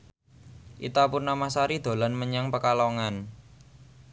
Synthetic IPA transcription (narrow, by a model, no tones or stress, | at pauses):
ʔḭt̪apurnamasaɾid̪̥o̤lanməɲaŋpəkalɔŋan